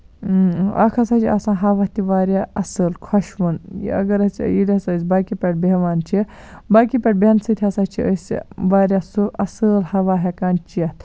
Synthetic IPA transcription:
ɐ̰kʰɐsɐt͡ʃʰiɐ̰sãːɦɐʋaːt̪iʋaːɾʲjaɐsəlkʰɐʃʋunjḭɐ̰ɡɐɾɐt͡sjilʲisəsʲbaːkipʲɐʈ̚beʋaːnt͡ʃʰi | baːkipʲɐʈ̚bʲensɨt̪ʲʰɐsat͡ʃʰiəsʋaːɾjasuʔɐsəːlhɐʋaːɦekaːnt͡ʃiɐt̪

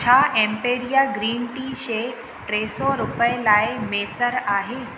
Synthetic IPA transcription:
t͡ɕʰaːʔɛ̃ːmpeːɾijaːɡɾiːnʈiːʃeː | ʈɾeːsɔɾʊpəelaːɪmeːsəɾaːɦeː

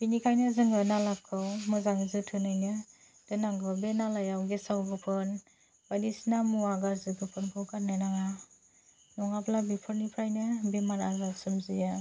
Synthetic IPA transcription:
binikʰajnɯzɯŋɡɯnalakʰːɯwmɯzaŋzɯtʰɯnajnɯ | d̥ɯnaŋɡɯbenalajawɡesawɡɯpʰɯn | bajnisnamuaɡaɾzɯɡɯpʰɯnpʰawkʰaɾnanaŋa | nɔŋaplabipʰɯɾnipʰɾajnɯbemaɾazasɯmzija

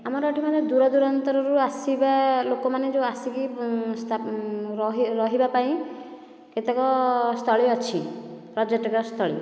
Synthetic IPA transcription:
amɔɾɔʈʰimad̪ed̪uɾɔd̪uɾɔnt̪ɔɾɔɾuasibalokɔmaned͡ʒewasikist̪ʰaɾɔɦiɾɔɦibapaĩ | ket̪ekɔst̪ʰɔɭiɔt͡ʃʰipɾɔd͡ʒeʈɔkɔst̪ʰɔɭḭ

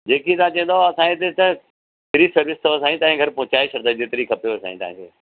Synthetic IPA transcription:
d͡ʑeːkit̪ãt͡ɕɐ̃ːnd̪aaːsãːet̪et̪ɐ | t̪ɪɾisɐɾʋɪst̪ʰɐʋsãːĩt̪ãːɦɪ̃ɡʱɐɾpʊ̃ːt͡ɕaːeʃɐɾd̪ad͡ʑeːt̪ɪɾikʰɐpjoesã̰ːĩt̪ã̰ːɪ̰̃t̪eː

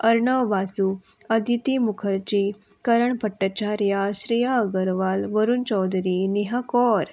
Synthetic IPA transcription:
əɾɳəʋʋasu | əd̪ʱit̪imukʰəɾt͡ɕi | kəɾəɳpəʈːət͡ɕaɾjaɕɾijaəɡəɾʋalʋəɾuːnt͡ɕɔwd̪ʱɾineɦakɔɾ

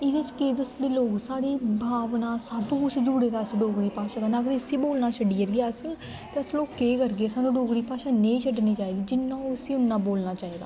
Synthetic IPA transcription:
ɪd̪et͡ʃkeːd̪əsd̪iːloːɡsaːɽiːbʱaːʋnãːsəbkʊt͡ʃʰd͡ʒuɽeːɾaːsɖoːɡɾiːpaːʃaːd̪aːnaɡəɾsiːboːlnaːt͡ʃʰəɖiːəɾɡeaːəs | t̪eːəsloːkːeːkəɾɡeːsaːnũːɖoːɡɾiːpaːʃaːnẽit͡ʃʰəɖniːt͡ʃaːiːd̪iːd͡ʒɪnːãːʊsiːʊnːãːboːlnaːt͡ʃaːiːd̪a̰ː

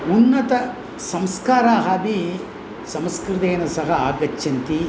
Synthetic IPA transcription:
unːɐt̪ɐ | sɐmskaːɾaːɦaːbi | sɐmskɾɪt̪eːnɐsɐɦɐaːɡɐt͡ʃːʃʰɐnt̪i

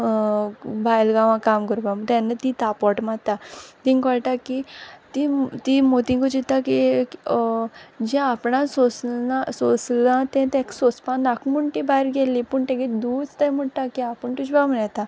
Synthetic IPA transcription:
bʱajlɡãʋãkamkəɾbamət̪ãnːət̪it̪apɔʈmat̪at̪ĩŋkəɭʈ̪akit̪it̪imot̪ĩŋkɔd͡ʑit̪aki | d͡ʑɛ̃apɳãsosnasoslãt̪ɛ̃t̪ɛ̃ksospãnakʰmuɳʈibaeɾɡelipəɳʈẽɡed̪uːt͡st̪ajm̤əʈʈ̪akiapəɳʈ̪uɕbam̤ənat̪ã

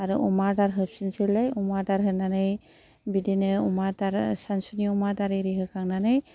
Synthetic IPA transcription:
aɾuʔɔmaɾdaɾɦɯp̚sinsilajumadaɾɦɯnanɯj | bidinɯumataɾsansuniumataɾɯɾiɦɯkʰaŋnanɯj

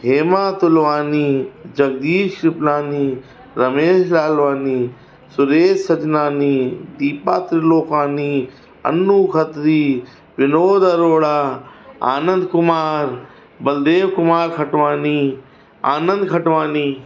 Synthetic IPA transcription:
ɦeːmaːt̪ʊlʋaːniːd͡ʒɐɡ̚d̪iːʃɾɪplaːniː | ɾɐmeːʃlaːlʋaːniː | sʊɾeːd͡ʒsɐd͡ʒnaːniːd̪iːpaːt̪ɾɪloːkaːniː | ɐ̰nːuːkʰət̪ɾiː | pɪnoːd̪əɾoːɽaːa̰ːnə̃nd̪kʊmaːɾ | bɐld̪eːʋkʊmaːɾkʰɐʈʋaːniː | a̰ːnə̃nd̪kʰɐʈʋaːniː

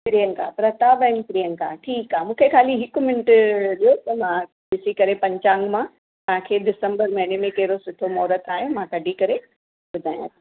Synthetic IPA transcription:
pɪɾijəŋka̰ːpɾɐt̪aːbɐɪnpɾijəŋkaʈʰiːkaːmũːkʰekʰaːliɦɪkʊmɪnɪʈɗijot̪ɐmã | ɓɪsikɐɾepɐ̃ɲt͡ɕãːŋɡmã | pɐ̃ɦɪ̃kʰeɗɪsə̃mbəɾmɐɦɪnemẽkɐɦɪɾosʊʈʰomɔːɾət̪ʰaːɦejomãkɐɖʱikɐɾe | ɓʊd̪ʱaːjã̰t̪

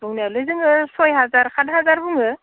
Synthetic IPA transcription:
buŋnijalɯjzɯŋɯsɔjɦazaɾkʰadɦazaɾbuŋɯ

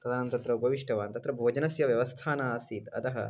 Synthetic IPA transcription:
t̪ɐd̪aːnɐnt̪ɐt̪ɾɐubʱɐʋiʂʈʰɐʋaːnt̪ɐt̪ɾɐbʱoːd͡ʒɐnɐsjɐʋjɐʋɐst̪ʰaːnaːsiːt̪ɐ̰t̪ɐɦɐ̰

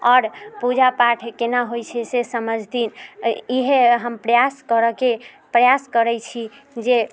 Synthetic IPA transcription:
ɔːɾpud͡ʒapaʈʰkenaɦojt͡ʃʰɛsesəməd͡ʒʱd̪iniɦeɦəmpɾəjaskəɾəke | pɾəjaskəɾɛt͡ʃʰi | d͡ʒe

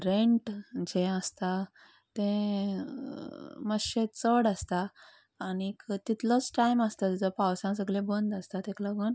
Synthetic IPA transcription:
ɾeɳʈd͡ʑẽəst̪a | t̪ẽ | məɕet͡səɽəst̪aː | nikt̪it̪lɔt͡sʈajməst̪at̪id͡zəpawsãsəɡlẽbənd̪əst̪at̪ẽkləɡuːn

